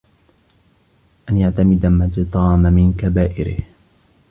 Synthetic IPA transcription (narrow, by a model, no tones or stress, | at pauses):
ʔanjaʕt̪amɪd̪amat̪ɨt̪ˤɑːmamɪnkabaːʔɪ̰ɾɪ̰h